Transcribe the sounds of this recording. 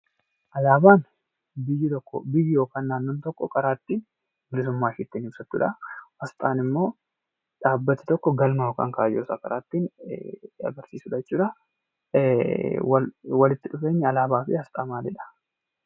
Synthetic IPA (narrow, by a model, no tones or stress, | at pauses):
ʔɐlaːbaːn | bɪjːɪt̪ɔkːɔ̰bɪjːɪjoːkaːnːaːnːoːnt̪ɔkːɔkʼɐɾaːt̪ːiːn | bɪlɪs̬ʊmːaːʃɪt̪ːɛːnhɪbsɐt̪ːʊ̰ᶑɐhɐst̪ʼaːnɪmːo̞ː | ᶑaːbːɐt̪ːɪ̥t̪ɔkːɔɡɐlmɐjoːka̰ːŋkaːjoːsaːkɐɾaːt̪ːiːn | ɐ̰ɡɐɾsiːsʊᶑɐɛt͡ʃːuːᶑɐ | wɐwɐlɪt̪ːɪᶑʊfe̞ːɲːɪɐlaːbaːfɪhɐst̪ʼaːmaːlɪᶑɐ̥